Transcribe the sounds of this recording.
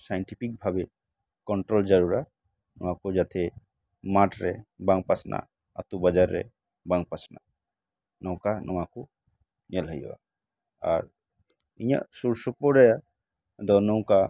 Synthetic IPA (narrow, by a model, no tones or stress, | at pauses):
sajɳʈipʰik̚bʱabe | kɔɳʈɾɔld͡ʒaɾuɾa | nɔwakud͡ʒat̪ʰɛ | maʈɾɛbaŋpasnʔa̰ | a̰t̪ubad͡ʒaɾːɛ̰ | baŋpasna̰ | nɔw̃kanʔɔwaku | ɲɛlɦəj̰a̰ | aɾ | iɲa̰suɾsɔpɔɾɛja | d̪ɔnɔw̃ka